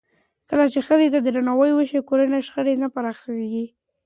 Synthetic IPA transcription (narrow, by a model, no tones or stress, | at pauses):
kəlat͡ʃexəzet̪ad̪əɾanawəjwəʃekoɾaneʃxəɽenapaɾaxeɡi